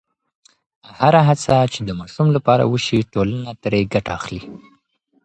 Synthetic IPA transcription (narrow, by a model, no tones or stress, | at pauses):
haɾaɦat͡sat͡ʃed̪əmɑʃumlapɑɾa̰wəʃiʈolanat̪ɾeɡaʈaaxli